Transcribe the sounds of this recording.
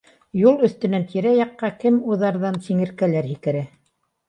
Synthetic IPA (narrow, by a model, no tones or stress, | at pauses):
julˠɵ̆θt̪ɵ̆nænt̪ʰiɾæjɑqːɑkɘmuðɑɾðɑnsiŋɘ̆ɾkælæɾhikɘ̆ɾæ